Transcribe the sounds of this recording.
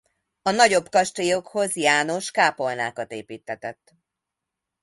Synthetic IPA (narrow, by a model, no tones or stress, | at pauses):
ɒnɒɟo̞bkɒʃt̪ojo̞kho̞zjaːno̞ʃkaːpo̞lnaːkɒt̪eːpiːt̪ːɛt̪ɛt̪ː